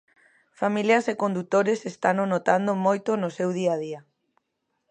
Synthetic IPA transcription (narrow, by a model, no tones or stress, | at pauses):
familjasekond̪ut̪oɾesest̪anonot̪and̪omojt̪onosewðiað̞ia